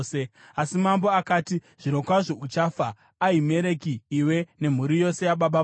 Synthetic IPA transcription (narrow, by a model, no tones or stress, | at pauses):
seasimambo̞akaːti | ʐ̥ino̞kwaʐo̞ut͡ʃaːfaː | ime̞ɾe̞kiːwe̞ne̞m̤uɾijo̞se̞jaɓaɓa